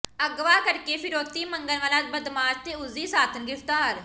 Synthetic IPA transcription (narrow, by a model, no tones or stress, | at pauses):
əɡʋaːkəɾkeːpʰɪɾoːt̪iːməŋɡəlʋəlaːt̪̚bəd̪maːd͡ʒt̪eːʊziːsaːt̪ʰənɡɾɪft̪aːɾ